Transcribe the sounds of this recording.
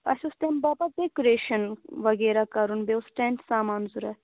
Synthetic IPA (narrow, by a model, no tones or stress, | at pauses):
pɐ̰ʃʲust̪embabad̪ekoɾeːʃɐnʋɐɡeːɾakɐɾunbeʊsʈeɳʈsaːmaːnzuɾɐ